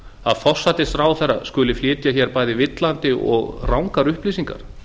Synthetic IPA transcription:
aðfɔr̥sat̪ɪst̪ɾaːwθɛrːaskʏlɪflɪːt̪jaçɛɾpaːjðɪvɪt̪lant̪ɪʔɔ̰ɣrawŋkaɾʏhpliːsiŋka̰ɾ̥

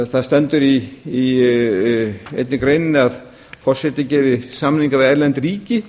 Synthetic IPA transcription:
θaðst̪ɛnt̪ʏɾiː | ejt̪nɪkɾejnɪnɪað | fɔr̥sɛt̪ːɪcɛːɾɪsaːmnhiŋkavɪðɛɾlɛnt̪riːcɪ

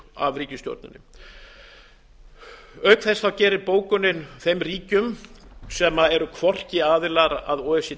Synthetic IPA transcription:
avriːcɪst̪jo̰wɾt̪nʏ̰nɪ̰ | œɥkθɛsθawcɛːɾɪɾpoːwkʏnɪnθejmriːcʏmsɛmaɛɾʏkʰvɔr̥cɪaːðɪlaɾaðɔːɛsɪ

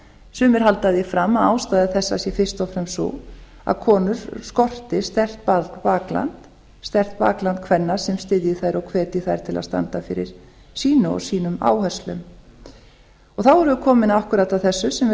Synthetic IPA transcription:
sʏːmɪɾ̥ɦalt̪aðjɪfɾamːaðaːwst̪aːjðɪθɛsːasjɛfɪr̥st̪ɔwfɾɛmsɔ̰ | a̰ðkʰɔːnʏɾ̥skɔr̥t̪ɪst̪ɛr̥t̪̚papaːkla̰nt̪ | st̪ɛr̥t̪̚pa̰ːklant̪̚kʰvɛnːḁsɛmst̪ɪðjɪθajɾɔwkʰvɛːɾt̪ɪθajɾ̥t̪ʰɪla̰st̪a̰nt̪afɪɾɪ̰ɾ̥ | siːnʏɔ̰siːnʏma̰ːwhɛslʏ̰m | ɔɣθawvɛɾʏkʰɔːmɪnahkʏɾat̪aðθɛsːʏsɛm

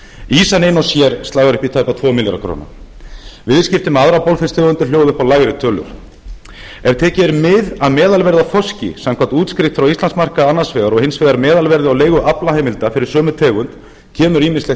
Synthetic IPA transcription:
iːsanejnɔsjɛɾ̥st̪aːɣaɾʏhpit̪ʰaːɥpat̪ʰvɔːmɪljaɾa̰kʰɾo̰ːna̰ | vɪðscɪft̪ʏmaðɾapɔwlfɛst̪ʰɛːɣʏnt̪ɪljoːwðʏhpawlaɣɾɪt̪ʰœːlʏ̰ɾ̥ | ɛvt̪ʰɛːcɛɾmɪðaðmɛːðalvɛɾðafɔscɪ̰samkʰvant̪uːt̪skɾɪht̪fɾawist̪lansmar̥kaanːasvɛːɣaɾɔhɪnsvɛɣðaɾmɛːðalvɛɾðɪawleːjɣʏʔaplaheːjmɪlt̪afɪɾɪɾ̥sœːmʏt̪ʰɛːɣʏnt̪ | cʰɛːmʏɾiːmɪnslɛ

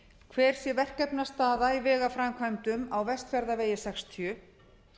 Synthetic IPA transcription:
kʰvɛɾ̥sjɛvɛr̥kɛpnḁst̪aːðaivɛːɣafɾajmkʰvajmt̪ʏmawvɛst̪fɛɾðaveːjɪsɛkst̪ʰjʏ

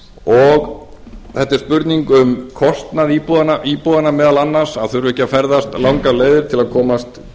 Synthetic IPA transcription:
ɔɣ | θɛht̪ːɪɾ̥spʏɾt̪niŋkʏmkʰɔst̪naðiːpuðanaʔiːpuðanamɛːðalanːaɾsaðθœɾvɛhcːafɛɾðast̪lawŋkaleːjðɪɾt̪ʰɪlaðkʰɔːmast̪

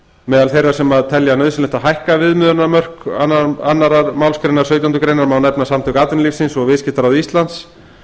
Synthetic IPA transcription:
mɛːðalθejrːḁsɛmaðt̪ʰɛljanœːðsɪnlɪht̪aɦajhkavɪðmʏðɾʏnamœr̥kanːaanːaɾaɾmawlskɾejnaɾ̥sœɥt̪̬ant̪ʏkɾejnaɾmaːwnɛpnasamt̪ʏkaːt̪ɪnlifsɪnsɔɣvɪðscɪht̪aɾawðist̪lant̪s

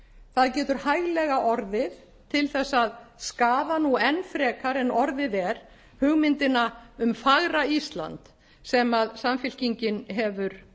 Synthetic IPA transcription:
θaðcɛːt̪ʏɾ̥hajɣlɛɣaʔɔɾðɪð | t̪ʰɪlθɛsːaðskaːðanuɛnːfɾɛːkʰaɾɛnɔɾðɪðɛɾ̥ | hʏɣmɪnt̪ɪnaʏmfaɣɾaist̪la̰nt̪ | sɛmaðsamfɪl̥ciɲcɪnɦɛvʏɾ̥

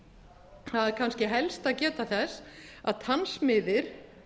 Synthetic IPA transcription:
θaðɛɾkʰanscɪɦɛlst̪aðcɛːt̪aθɛsa̰ðt̪ʰansmɪðɪɾ̥

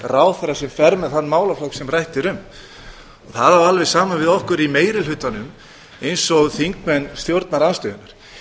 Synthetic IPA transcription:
raːwθɛɾːasɛmfɛɾmɛðθanːmaːwlaflɔwksɛmrajht̪ɪɾʏm | ɔɣθaðavalvɛsaːmanvɪðɔhkʏɾimeːjɾɪlhʏt̪ːanʏm | ejnsɔɣθiŋkmɛnːst̪jowɾt̪naɾanst̪ʏðʏnaɾ̥

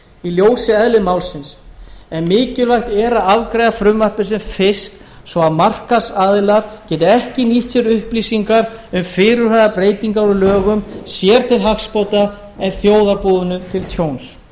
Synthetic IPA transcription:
iljoːwsɪɛðlɪmawlsɪnsɛnmɪːcɪlvajht̪ɛːɾaðavkɾajðafɾʏmvarpʏs̬ɛmfɪst̪ | svɔaðmar̥kasaðlaɾcɛːt̪ɪɛhcɪniht̪sɛɾʏhpliːsiŋkaɾʏmfɪːɾʏɾ̥haðapɾeːjt̪iŋkaɾʏlœːɣʏmsjɛɾt̪ʰɪlɦakspɔt̪a | ɛðθjoːwðaɾpuːðʏnʏt̪ʰɪlt̪ʰjowns

